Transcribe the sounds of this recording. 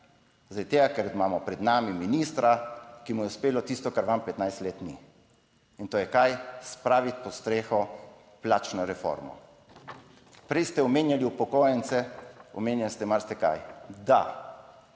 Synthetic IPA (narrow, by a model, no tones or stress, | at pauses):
zd̪at̪eːɡakɛɾimaːmɔpɾɛd̪naːmiminist̪ɾakimujɛuspeːlɔt̪ist̪ɔkaɾʋampɛt̪najst̪leːt̪nḭ | int̪oːjɛkajspɾaːʋit̪pɔst̪ɾeːxɔ | plaːt͡ʃnɔɾɛfo̰ɾmɔ̰ | pɾɛjst̪ɛɔmeːnjaliupɔkoːjɛnsɛɔmeːnjalist̪ɛmaɾst̪ɛka̰jd̪a̰